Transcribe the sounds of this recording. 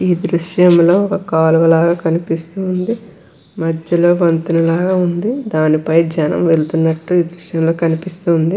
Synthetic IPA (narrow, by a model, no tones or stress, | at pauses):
iːd̪ɾuʂjɐmlo̞ːɔkɐkaːluʋɐlaːɡaːkɐnipist̪uːnd̪i | mɐdjɐlo̞ːʋɐnt̪unɐlaːɡaːund̪id̪aːnipɐjd͡ʒɐnɐ̰mʋe̞lut̪unːɐʈːuiːd̪ɾuʂjɐmlo̞ːkɐnipist̪uːnd̪i